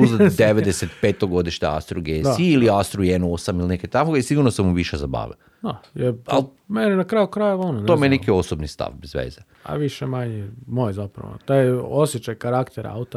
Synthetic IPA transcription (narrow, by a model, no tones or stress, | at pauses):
uzad̪d̪eʋed̪eset̪̚peːt̪oɡo̞d̪iʃɲea̰st̪ɾuɡeiiliast̪ɾujenosamilineket̪akoɡaisiɡuɾnosemuʋiʃezaba̰ːʋḛ | d̪ajeɾal | menenakɾaːjukɾajeʋononomeenekio̞sobnist̪a̰fbezʋḛːza | a̰ʋiʃemaɲemojzapɾa̰ʋo̰t̪ajosjet͡ʃajkaɾakt̪eɾa̰ut̪a